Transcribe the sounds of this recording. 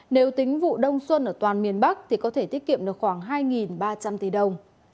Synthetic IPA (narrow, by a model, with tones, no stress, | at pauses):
ne˨˦wt̪ï˨˦ŋ̟vṵ˧˨ɗə˧wŋ͡mswə˧nʔəː˧˩t̪waː˨˩nmi˨˩ənɓa˦˥k̚t̪ʰi˨˩kɔ˨˦e˧˩t̪i˦˥ət̚kḭ˧˨əmɗɨ˨˩əkxwaː˧˩ŋɦaː˧jŋi˨˩nɓaː˧t͡ɕa˧mt̪i˨˦ɗə˧wŋ͡m